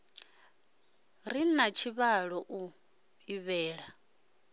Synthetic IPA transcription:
rinat͡ʃʰiβaɺɔʔu | iβɛːɺa

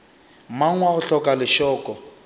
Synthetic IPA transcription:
maŋwaʊɬɔkalɪʃɔːkɔ

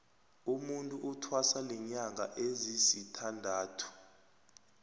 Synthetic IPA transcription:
umuntʼuʔutʰwasalɛɲaŋʱa̰ʔezisitʰandʱaːtʰu̥

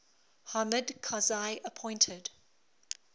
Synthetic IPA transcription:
hamədkʰazaɪʔəpʰɔ̃ɪ̃ntʰəd

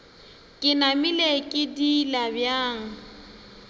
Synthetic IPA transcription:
kʼɪnamilekʼɪdilabjaːŋ̩

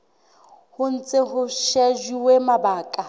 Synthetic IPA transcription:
hʊn̩t͡sʼɪɦʊʃɛd͡ʒiwemabaːkʼa

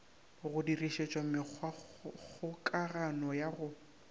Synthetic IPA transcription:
ɣʊdiriʃet͡ʃʼɔmɪk͡xʰk͡xʰʊkʼaranɔjaɣʊ

